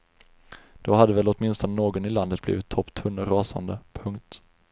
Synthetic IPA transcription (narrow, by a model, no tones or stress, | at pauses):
d̪̥ɔhad̪ːəvɛlɔt̪mɪnst̪ɔnənoːɡɔnɪland̪ət̪̚bliːvɪt̪ʰːɔpːt̪ʰɵnːəɾɑːsa̰nd̪əpʰɵŋkt̪